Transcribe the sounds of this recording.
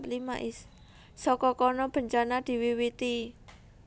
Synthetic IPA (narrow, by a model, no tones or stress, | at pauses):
plima̰ʔɪs | sɔkɔkɔnɔb̥ə̤ɲt͡ʃanad̪̥i̤wiwit̪i